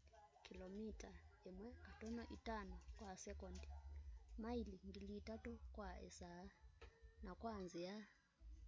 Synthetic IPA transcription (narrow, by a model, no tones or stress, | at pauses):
kʰʼilomitʼaɛmwɛŋkatʼɔnɔʔitʼanukʼwasɛkʼɔːndʱimailiŋɡilitʼatʼɔkʼwaɛ̰sanakʼwand͡zʱija